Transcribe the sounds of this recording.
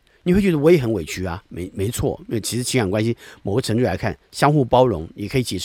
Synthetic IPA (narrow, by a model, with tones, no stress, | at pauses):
ni˨wt͡ɕɥɛ˧˥˩wɪjxə˧˥nwe˨˩ɪt͡ɕʰy˧˥ɐ˧me˧˥ɪme˧˥ɪt͡sʰwɔ̰˥˩i˥˨˩t͡ɕʰi˧˥ʂɻ̩˧˥t͡ɕʰŋjŋkwa˥nɕi˧mo˨˩ʊɡə˦ʈ͡ʂʰɤ˧˥ŋʈ͡ʂu˥˩la˧˥ɪkʰa˥˩nɕjɑ˥ŋxu˥˩pɑ˥ʊɻʊ̰˧˥ŋni˨˩kʰi˧˥˩t͡ɕɛ˨˩ʂ